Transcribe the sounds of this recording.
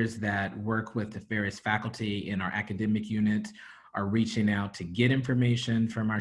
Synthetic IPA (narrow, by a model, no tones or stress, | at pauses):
zðɨt̚wɜ˞kʰwɪðɨfɛɹɨstfækl̩ˠtʰiɪ̃ñaʊə˞ʔækɨdɛmɨkʰjʉnɨɾ | ʔə˞ɹit͡ʃɪ̃ŋaʊtʰɨɡɛɾɪ̃ɱfə˞meɪʃɨ̃nfɹʌ̃maʊə